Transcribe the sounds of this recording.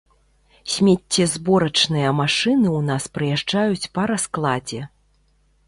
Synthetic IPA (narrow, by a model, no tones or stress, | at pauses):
sʲmʲet͡sʲːɛzbɔɾɐt͡ʂnɨjɐmaʂɨnɨunaspɾɨjaʐd͡ʐajut͡sʲpɐɾasklˠad͡zʲɛ